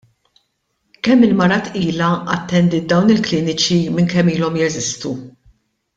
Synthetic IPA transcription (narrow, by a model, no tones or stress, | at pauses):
kɛmːɪlmɐɾɐt̪iːlɐɐt̪ːɛnd̪id̪ɐwnɪlklɪːnɪt͡ʃimɪŋkɛmːiːlɔmjɛzɪst̪u